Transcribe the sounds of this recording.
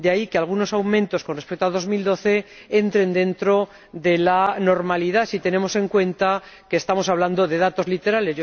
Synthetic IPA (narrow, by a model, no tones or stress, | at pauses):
d̪eaikealɣ̞uno̞sawmẽnt̪o̞skonrespe̞k̚t̪oaðo̞zmild̪o̞θe̞ | e̞nt̪ɾe̞nd̪e̞nt̪ɾo̞ | ðe̞lano̞ɾmaliðasit̪e̞ne̞mo̞se̞ŋkwe̞nt̪ake̞ːst̪amo̞saβland̪o̞ðe̞ðat̪o̞zlit̪e̞ɾale̞zo